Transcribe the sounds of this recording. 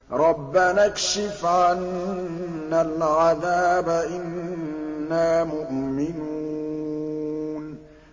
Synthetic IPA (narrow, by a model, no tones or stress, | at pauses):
ɾˤɑbːanakʃɪfʕanː | alʕaðaːbaʔɪnː | aːmʊʔmɪnuː | n